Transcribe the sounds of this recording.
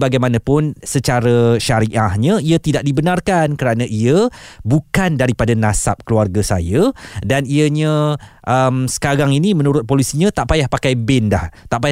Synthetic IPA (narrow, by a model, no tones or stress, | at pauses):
baɡajmãnãpʊnsət͡ʃaɾəʃaɾiʔahɲə̃iat̪idaʔ̚dibənãrkankəɾanãʔiəbukandaɾipadanãsa̰p̚kəluarɡasa̰jədaniəɲə̃ʔəmsə̥kaɾaŋinimə̃nuɾʊt̪̚polisiɲə̃t̪aʔpajahpakajbɪndaht̪aʔpaj